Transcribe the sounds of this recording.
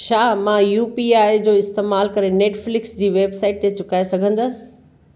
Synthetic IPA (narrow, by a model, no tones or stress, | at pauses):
ʃaːmãjuːpiaːjd͡ʑoːɪst̪eːmaːlkɐɾeneːʈflɪksd͡ʑiːʋeːbsaːɪʈ̚t̪et͡ɕʊkaːesɐɡʱə̃nd̪əsɪ̥̆